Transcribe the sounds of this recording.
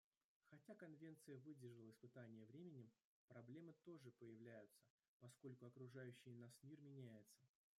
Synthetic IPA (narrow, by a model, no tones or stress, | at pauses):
xɐtʲakɐnvʲent̪sɨjəvɨdʲɪrʐɨlˠəɪspɨt̪anʲɪjəvɾʲemʲɪnʲɪm | pɾɐblʲe̞mɨt̪o̞ʐɨpəjɪvlʲæjʊt̪sə̥ | pɐsko̞lʲkʊɐkɾʊʐajʉɕːɪjnasmʲirmʲɪnʲæjɪt̪sə̥